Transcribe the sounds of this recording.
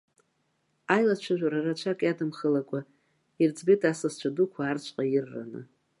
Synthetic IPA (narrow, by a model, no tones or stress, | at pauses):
ajlat͡ʃʷʰaʒᶣʷaɾarat͡ʃʷʰakʼjadɨmχəlakʷʼa | ird͡zbitʼasɨst͡ʃʷʰadukʷʰaːrt͡ʃʷʰʼqʼajɪrːa̰nɨ̰